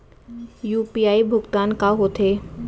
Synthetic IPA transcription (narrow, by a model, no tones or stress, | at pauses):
juːpiːaːibʱʊɡt̪aːnkaɦot̪ʰeː